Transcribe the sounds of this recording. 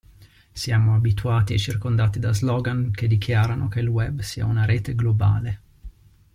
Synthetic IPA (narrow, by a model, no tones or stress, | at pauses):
sjaːmoabit̪uaːt̪iet͡ʃirkond̪aːt̪id̪azlɔːɡank̟ed̪ːik̟ʰjaːɾanok̟elwɛbsiːa̰unaɾeːt̪eɡloba̰ːle